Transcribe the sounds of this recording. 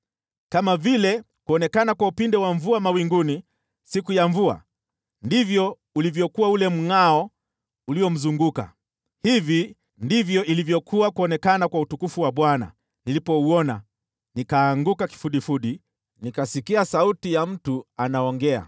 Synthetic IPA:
kamavilɛ | kuɔnɛkanakwaupindɛwaɱvuamawiŋɡuni | sikujaɱvua̰ | ndivjɔ | ulivjɔkuwaulɛm̩ŋaɔ | uliɔm̩zuŋɡuka̰ | hivi | ndivjɔʔilivjɔkʰuwakuɔnɛkanakwautukufuwaɓwana̰ | nilipɔuɔna | nikaːŋɡukaki̥fuɗifuɗi | nikasikiasautijam̩tuanaɔŋɡɛa̰

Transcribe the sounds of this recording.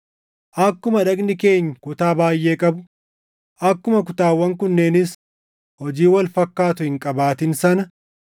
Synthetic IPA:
ʔɐkːʊmɐᶑɐknɪke̞ːɲːkʊt̪aːbaːjʔeːkʼɐbʊ | ʔɐkːʊmɐkʊt̪aːwːɐŋkʊnːeːnɪs | hɔd͡ʒiːwɐlfɐkːaːt̪ʊhɪŋkʼɐbaːt̪ɪnsɐnɐ

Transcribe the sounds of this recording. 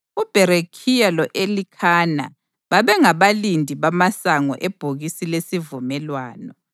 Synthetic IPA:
ub̥ʱɛɾekʰijalɔʔelikʰaːna̰ | βaβɛŋaβalindʱiβamasaŋɔ̰ʔeb̥ʱuɣisilesivumɛlwaːnɔ

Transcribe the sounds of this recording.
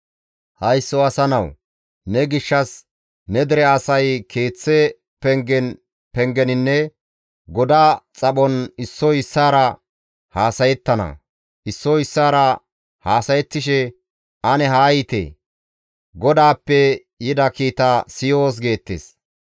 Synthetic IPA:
hɐjsːɔɐsɐnɐw | nɛɡɪʃːɐs | nɛd̪ɛɾɛɐsɐjkʰe̞ːt͡sːɛ | pɛŋɡɛn | pɛŋɡɛnɪnːɛ | ɡɔd̪aːt͡sʼɐɓɔnɪsːɔɪsːaːɾɐ | haːsɐjɛt̪ːɐnɐ̰ | ʔɪsːɔɪsːaːɾɐ | haːsɐjɛt̪ːɪʃɛ | ʔɐnɛɦaːjit̪ḛː | ɡɔd̪aːpːɛ | jɪd̪ɐkiːt̪asɪjoːs̬ɡe̞ːt̪ːḛːs

